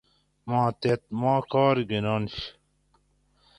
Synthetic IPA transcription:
mɑ̃ːt̪et̪̚mãːkɑːɾɡinɑːnɕ

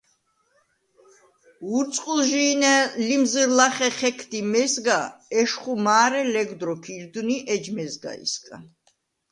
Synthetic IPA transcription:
uɾt̪sʼqʼulʒiːnɛlimzəɾlaχɛχɛkʰd̪imɛzɡaɛʃχumaːɾɛlɛɡd̪ɾɔkʰiɾd̪uniʔɛd͡ʒmɛzɡa̰ḭskʼa

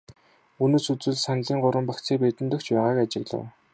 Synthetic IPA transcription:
unoːsut͡sɘ̆ɮsanɮiːŋɢʊɾwə̆mpakt͡sʰeːpet̪ɘ̆nt̪ɵ̆kt͡ɕpæːʁaːkat͡ɕɪ̆ɣɮə̰̆w

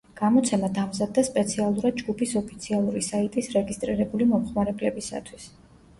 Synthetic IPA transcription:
ɡ̥amɔt̪sʰɛmad̪amzad̪̚ːaspʼɛt̪sʰialˠuɾad̪̚d͡ʒɡupʰisɔpʰit̪sʰialˠuɾisait̪ʼisɾɛɡist̪ʼɾiɾɛbulimɔmχmaɾɛblɛbisa̰t̪ʰwis

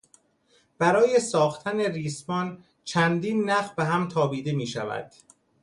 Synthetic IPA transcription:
b̥æɾɒːje̞sɒːxt̪ʰæne̞riːsmɒn | t͡ʃʰænd̪iːnːæfbeɦæmt̪ʰɒːbiːd̪e̞miːʃævæ̰d̪̥

